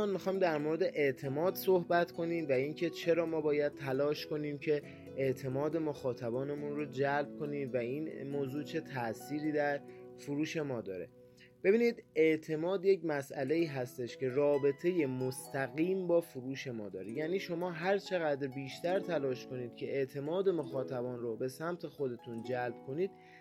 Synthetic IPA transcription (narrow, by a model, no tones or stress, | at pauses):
ɒːnmixɒːjmd̪æɾmoɾed̪e̞ʔeʔt̪ʰe̞mɒːd̪sohbæt̪kʰo̞niːd̪væiːncʰe̞t͡ʃʰe̞ɾɒːmɒːbɒːjæd̪̥̚t̪ʰælɒːʃko̞niːmcʰe̞ | eʔt̪ʰe̞mɒːd̪e̞mo̞xɒːt̪ʰæbɒːnemunro̞d͡ʒælb̚kʰo̞niːmvæiːnmoːzuːt͡ʃʰe̞t̪ʰæʔsiːɾiːd̪æɾfuɾuːʃe̞mɒːd̪ɒ̰ːɾe̞̰ | b̥e̞biːniːd̪e̞ʔt̪ʰe̞mɒːd̪jecmæsʔæle̞iːɦæst̪e̞ʃcʰe̞rɒːbe̞t̪ʰe̞je̞most̪æɣiːmbɒːfuɾuːʃe̞mɒːd̪ɒːɾejæːniːʃo̞mɒːɦæɾt͡ʃʰe̞ɣæd̪ɾbiːʃt̪æɾt̪ʰælɒːʃko̞niːd̪̥̚cʲʰe̞ʔeʔt̪ʰe̞mɒːd̪e̞mo̞xɒːt̪ʰæbɒːnɾobe̞sæmt̪ʰe̞xo̞d̪e̞t̪ʰund͡ʒælb̥̚kʰo̞niːd̪̥